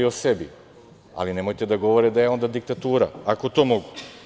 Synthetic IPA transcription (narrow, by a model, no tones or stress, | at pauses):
iosebi | a̰linemojt̪ed̪aɡo̞ʋoɾed̪ajeo̞nd̪ad̪ik̚t̪at̪uːɾa̰akot̪o̞ːmoɡu